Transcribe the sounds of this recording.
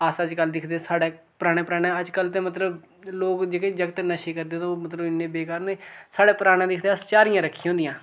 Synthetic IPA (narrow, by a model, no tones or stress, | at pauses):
əsəd͡ʒkəld̪ɪkʰd̪eːsaːɽɛː | pəɾaːɽ̃ẽːpəɾaːɽɛːəd͡ʒkəlt̪ẽːmət̪ləb | loːkd͡ʒeːked͡ʒəɡt̪naʃeːkəɾd̪eːt̪õːmət̪ləbɪnːẽːbeːkaːɾõːd̪esaːɽɛːpəɾaːɽ̃eãːd̪ɪkʰd̪eəst͡ʃaːɾɪjãːɾəkʰːiɦõːnd̪ijãː